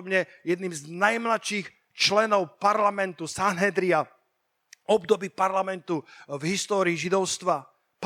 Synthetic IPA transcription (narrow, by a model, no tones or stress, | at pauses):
bɲɛjɛd̪niːmznajmlatʃix | t͡ʃlɛnɔʊpaɾlamɛnt̪usanɦɛd̪ɾia | ʔɔbd̪ɔbiːpaɾlamɛnt̪uvɦist̪ɔːɾiːʒid̪ɔʊst̪ʋa | p